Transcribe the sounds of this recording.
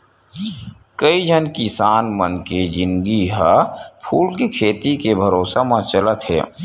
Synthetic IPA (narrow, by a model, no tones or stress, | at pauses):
kəid͡ʒʱənkisaːnmənked͡ʒɪ̃nɡiɦapʰuːlkekʰeːt̪ikebʱəɾoːsamãt͡ʃələt̪ɦɛ̰ː